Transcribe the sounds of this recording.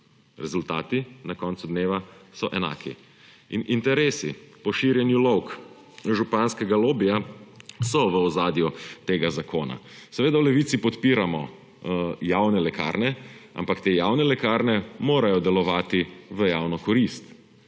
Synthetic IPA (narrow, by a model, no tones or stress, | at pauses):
ɾɛzult̪aːt̪inakɔnt̪sud̪neːʋasɔʔɛna̰ːkʰḭ | inint̪ɛɾeːsipɔʃiɾjɛnjulɔwk | ʒupanskɛɡaloːbijasɔʋəɔzaːd̪jut̪eːɡazakʰoːna̰sɛʋeːd̪awlɛʋiːt̪sipɔt̪piːɾamɔ | jawnɛlɛka̰ːɾnɛa̰mpakt̪ejawnɛlɛkaːɾnɛmoːɾajɔd̪ɛlɔʋaːt̪iʋəjaːwnɔkɔɾist̪